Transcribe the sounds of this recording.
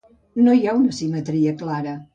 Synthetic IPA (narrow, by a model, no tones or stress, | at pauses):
nojaunəsimət̪ɾiəklaɾə